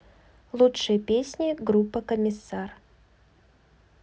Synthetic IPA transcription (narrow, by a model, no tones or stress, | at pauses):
lˠutʂɨjəpʲesʲnʲɪɡɾupːəkəmʲɪsːar